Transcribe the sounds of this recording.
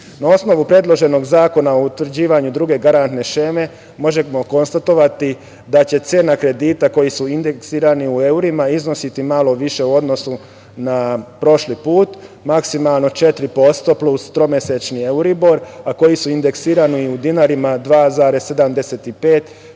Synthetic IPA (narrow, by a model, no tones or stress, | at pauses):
nao̞sno̞ʋupɾe̞d̪lˠo̞ʒe̞no̞ɡzaːko̞naout̪ʋr̩d͡ʑiːʋaɲud̪ɾuɡe̞ɡaɾant̪ne̞ʃe̞me̞ | mo̞ʒemoko̞nst̪at̪o̞ʋat̪i | d̪at͡ɕe̞t̪se̞ːnakɾe̞d̪iːt̪ako̞jisuind̪eksiːɾaniue̞uɾimaizno̞sit̪imalo̞ʋiʃe̞uo̞d̪no̞su | napɾo̞ʃlipuːt̪maksimalˠno̞t͡ʃe̞t̪ɾipo̞st̪o̞plˠust̪ɾo̞mese̞t͡ʃnieuɾibo̞ɾako̞jisuind̪eksiːɾaniiud̪inaɾimad̪ʋaːzaːɾe̞sːe̞d̪amd̪e̞se̞t̪ipe̞ːt̪